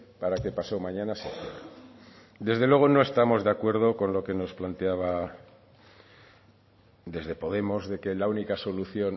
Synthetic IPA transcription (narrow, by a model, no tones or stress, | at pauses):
paɾake̞paso̞mãɲanaset̪ḛme | d̪e̞zðelwe̞ɣ̞o̞no̞e̞st̪amo̞zðe̞akwe̞ɾð̞o̞ko̞nlo̞ke̞no̞splant̪eaβ̞a | d̪e̞zðe̞po̞ðe̞mo̞zðe̞ke̞launikaso̞luθjo̞n